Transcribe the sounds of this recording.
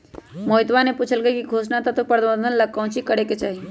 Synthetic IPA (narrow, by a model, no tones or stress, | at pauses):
moːɪt̪ʋanepuːt͡ʃʰəlɡəikiɡʱoːsnat̪at̪opɐɾd̪bə̃nd̪ʱənlɐkɔ̃t͡ʃʰikəɽeket͡ʃaːɦi